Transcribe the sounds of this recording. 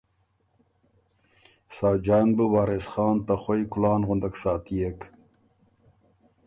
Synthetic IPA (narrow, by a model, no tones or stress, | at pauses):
sɑːd͡ʒɑːnbəwɑːɾesχɑːnt̪axojkʊlɑːnʁʊnd̪ɐksɑːt̪ijek